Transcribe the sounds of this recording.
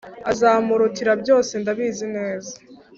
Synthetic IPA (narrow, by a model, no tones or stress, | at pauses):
azaːmuɾutiɾabjo̞ːse̞ndaβiːzineːzḁ